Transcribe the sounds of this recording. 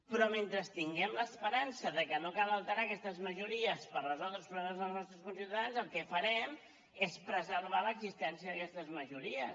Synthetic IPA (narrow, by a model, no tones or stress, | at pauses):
pɾɔment̪ɾəst̪iŋɡɛmləspəɾansəðəkənokaləlˠt̪əɾakɛst̪əzməʒuɾiəspərrəzɔlˠd̪ɾəlspɾulɛməzðəlˠznɔst̪ɾəskunsiwt̪aðanzəlˠkɛfəɾɛm | espɾəzəɾβ̞aləɡzist̪ɛnsiəðəkɛst̪əzməʒuɾiə